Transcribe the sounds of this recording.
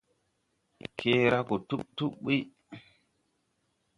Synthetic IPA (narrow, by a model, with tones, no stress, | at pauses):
kʰe˦ɾa˦ko˨tu˦ɓ̚tu˦ɓi˦